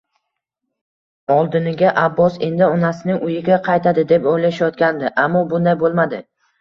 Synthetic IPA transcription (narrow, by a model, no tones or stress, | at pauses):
ɒlˠd̪ɪnɪɡʲaʔabːɒse̞̰nd̪ɪɒnasɪnɪŋʔʊjɪɡʲaqʰɑjt̪ʰad̪ɪd̪e̞pojlaʃajɒt̪̚kʲand̪ɪʔamːɒbʊnd̪ajbolˠmad̪ɪ